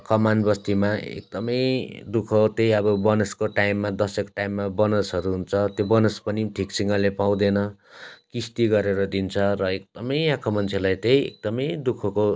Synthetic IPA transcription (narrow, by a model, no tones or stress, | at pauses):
kʌmanbʌst̪imaḛk̚d̪ʌmʌjd̪ukʰʌt̪ejʌbʌbʌnʌskoʈaimːad̪ʌsekʈaimːabʌnosɦʌɾuɦunt͡sʰʌt̪jobʌnʌspʌniʈʰikt͡sʰiŋʌlepaw̃d̪enʌkist̪iɡʌɾeɾʌd̪int͡sʰʌrʌek̚d̪̥ʌmʌjãkʰomʌnt͡sʰelajt̪ejḛk̚d̪ʌmʌjd̪ukʰʌko